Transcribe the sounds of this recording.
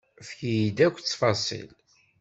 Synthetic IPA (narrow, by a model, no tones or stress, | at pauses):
fçjid̪ækʷːt͡sːfɑsˤḭl